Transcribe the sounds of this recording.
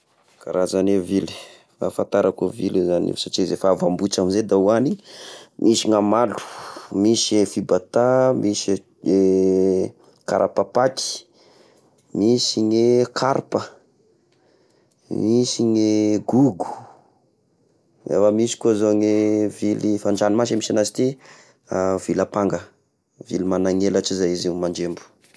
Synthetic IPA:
ka̰ɾazanevili̥ | a̰fant̪aɾakuvilezanḛsaʈ͡ʂizefaavambut͡ʃamized̪auanimʔisiŋamalu̥misiefibat̪amis | e | kaɾʔapapaki̥ | misiŋekʰaɾpə | misiŋeɡuɡu̥ | ḛfəmisi̥kozoŋevilifanɖ͡ʐanimasamisanasi̥t̪i | avilapaŋɡə | vilimanaŋelaʈ͡ʂizajizimand͡ʒembu̥

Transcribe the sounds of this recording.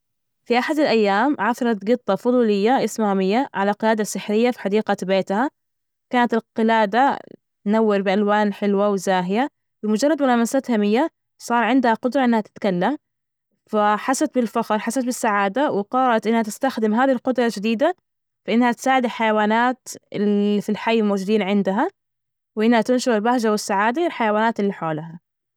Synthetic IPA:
fiʔaħad̪alʔajːaːmʕaθɑɾˤɑt̪ɡɨt̪ˤːɑfʊðˤuːlɪjːaʔɪsmahamɪjːaʕalalqɪlaːd̪asːɪħɾɪjːafi̥ħad̪iːqabeːt̪ha | kaːnat̪ɪlqɪlaːd̪a | t̪nawːɪɾbɪʔalwaːnħɪlwawɪzaːɦɪja | bɪmʊd͡ʒɑrˤːɑd̪mʊlaːmasaːt̪hamɪjːa | sˤɑːɾˤʕɪnd̪haqʊd̪ɾˤɑʔɪnːhat̪ɪ̥t̪kalːam | faħasat̪̚bɪlfaxɾˤħasat̪bɪsːaʕaːd̪awɪqɑɾˤɑlɑt̪ʔɪnːhat̪ɪst̪axd̪ɪmɦaːðhilqʊd̪ɾˤɑd͡ʒɪd̪iːd̪a | faʔɪnːhat̪saːʕɪd̪ɪlħajawaːnaːt̪ɪlifilħajːɪlmowd͡ʒʊd̪iːnʕɪnd̪aɦa | wʔɪnːhat̪ɪnʃʊɾɪlbahʒawɪsːaʕaːd̪aɪlħajawaːnaːt̪ɪlːiħoːlɦa

